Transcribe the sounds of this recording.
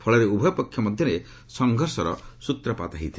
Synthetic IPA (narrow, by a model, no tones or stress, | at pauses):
pʰɔɭɔɾeubʱɔjpɔkʰːjɔmɔd̪ʱjɔɾe | sɔŋɡʱɔɾsɔɾɔ̰sut̪ɾɔpa̰t̪aɦit̪ʰi